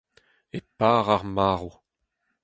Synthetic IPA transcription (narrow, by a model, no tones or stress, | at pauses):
epaːʁaʁmaːʁu